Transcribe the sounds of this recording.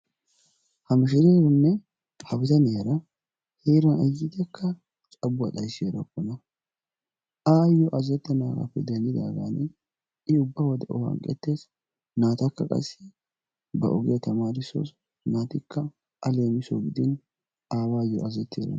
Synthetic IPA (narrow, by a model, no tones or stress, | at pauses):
hɐmɪʃɪɾeːɾɔnːɛ | hɐbɪt̪ɐneːɾɐ | heːɾɐnɐjːɪt̪ɛkːɐ | t͡ʃʼɐbʊɐ̰t̪ʼɐjseːɾɐkːɔnɐ | ʔaːjɔʔɐzɛt̪ːɛnaːɡa̰pːɛd̪ɛnd̪ɪd̪a̰ːɡanɪ | ɪʊbːawɔd̪ɛʔɔ̰hɐ̰ŋkʼɛ̰t̪ːeːs | naːt̪ɐkːɐkʼɐ̰sɪ̥ | bɐ̰ʔɔɡɪjɐt̪ɐmaːɾɪso̰s | naːt̪ɪkːɐ | ʔɐle̞ːmɪsoɡɪd̪ɪn | aːbaːjːɔ̰ɐzɛt̪ːeːɾɐ̰n